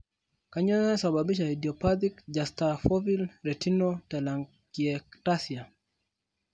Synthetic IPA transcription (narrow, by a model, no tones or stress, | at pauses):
kaɲɔnɛsababiʃ̬aidiɔpat̪ikd͡ʒastafɔvilɾetinotalaŋ | kiɛktasia